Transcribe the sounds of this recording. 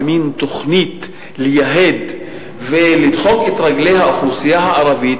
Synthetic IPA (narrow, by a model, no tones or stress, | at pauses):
mint̪oχnit̪ | lejaɦed̪ | velid̪χo̞ket̪ʁaɡlejhaʔaχusijaɦaʔaɾavit